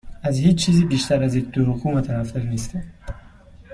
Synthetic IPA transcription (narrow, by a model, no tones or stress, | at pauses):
azhid͡ʒt͡ʃʰːizibiʃt̪ʰaɾazik̚d̪uhukʰumat̪ʰanaft̪aɾnist̪a